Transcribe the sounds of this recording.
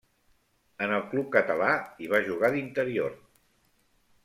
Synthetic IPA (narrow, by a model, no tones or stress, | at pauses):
ənəlˠklup̚kət̪əlaiβ̞aʒuɣ̞aðint̪əɾior